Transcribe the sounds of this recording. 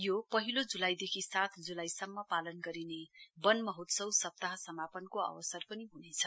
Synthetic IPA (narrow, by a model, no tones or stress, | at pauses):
jopʌɦilod͡zulajd̪ekʰisat̪ʰd͡zulajsʌmːʌpalʌnɡʌɾinebʌnmʌɦot̪sʌwsʌp̚t̪aɦʌsʌmapʌnkoʌ̰wʌsʌrpʌniɦunet͡sʰʌ